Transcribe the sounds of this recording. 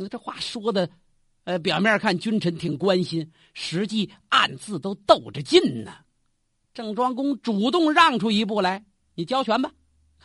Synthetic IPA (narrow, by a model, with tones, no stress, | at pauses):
ʈ͡ʂɤ˥˧xwa̰˥˩ʂwɔ˥d̪ə˨˧ | p̬jɑ˨˩ʊmjɛ˥˧kʰa˥˩nt͡ɕy˥nʈ͡ʂʰə˧˥nt̪ʰi˨˩ŋkwa˥nɕi˥n | ʂɻ̩˧˥t͡ɕi˥˩a̰˥˩˧nt͡sɹ̩˥˩t̪o˥ʊt̪o˥˩ʊʈ͡ʂə˩t͡ɕi˥˩nnə˩ | ʈ͡ʂɤ˥˩ŋʈ͡ʂwɑ˥ŋkʊ˥ŋʈ͡ʂu˨˩t̪ʊ˥˧ŋɻɑ˥˩ŋʈ͡ʂʰu˥i˧˥p̬u˥˩la˧˥ɪ | ni˨˩t͡ɕjɑ˥ʊt͡ɕʰɥɛ˧˥nbɐ˨˩